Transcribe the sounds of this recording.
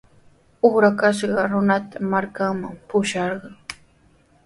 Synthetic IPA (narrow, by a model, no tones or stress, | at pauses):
oχɾakaʃ̬ɢɑɾʊnat̪amaɾkaŋmaŋpʊʃɑɾɢɑŋ